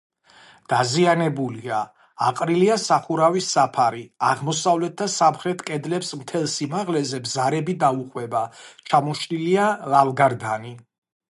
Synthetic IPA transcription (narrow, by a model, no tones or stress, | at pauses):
d̪̥azianɛbulia | aqʼɾiliasaχuɾavisːapʰaɾiaʁmɔsavlɛt̪̚ʰd̪asamχɾɛt̪ʰkʼɛd̪lɛpsmt̪ʰɛlˠsimaʁlɛzɛbzaɾɛbid̪auqʼwɛbat͡ʃʰamɔʃnilialalɡaɾd̪ani